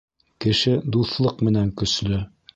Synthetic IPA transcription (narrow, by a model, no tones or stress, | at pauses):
kɘ̆ʃɘd̪uθlˠɤqmɘ̆næŋkɵ̆slɵ